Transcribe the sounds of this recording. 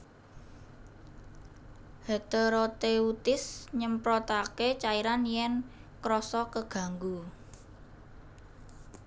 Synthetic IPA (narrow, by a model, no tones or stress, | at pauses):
het̪əɾot̪eut̪ɪsɲəmpɾɔt̪aket͡ʃaiɾanjɛnkɾɔsɔkəɡ̥a̤ŋɡu